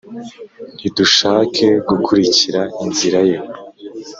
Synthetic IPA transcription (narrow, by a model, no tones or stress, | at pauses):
n̥iduʃaːkʰe̞ɡukʰuɾiciɾainziɾaje̞